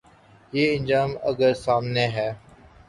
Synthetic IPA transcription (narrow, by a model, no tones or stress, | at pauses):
jeːɪ̃nd͡ʒaːmə̰ɡəɾsaːmneɦɛː